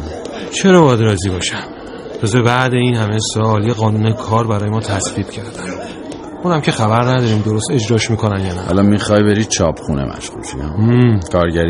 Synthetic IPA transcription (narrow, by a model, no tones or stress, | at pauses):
t͡ʃʰe̞ɾɒːbɒjæd̪ɾɒːziːbɒːʃæm | lɒzebæʔd̪e̞iːnhæmesɒːlijeɣɒːnuːne̞kʰɒːɾbæɾɒːje̞mɒːt̪ʰæsviːb̥cʰæɾd̪æn | uːnæmcʰe̞xæbæɾnæd̪ɒːɾiːmd̪o̞ɾo̞st̪e̞d͡ʒɾɒːʃmiːkʰo̞nænjɒːnææ̰lɒmixɒjbeɾiːd̪̥̚t͡ʃʰɒːpʰχunḛmæ̰ʃulʃijæːkʰɒːɾɟæɾi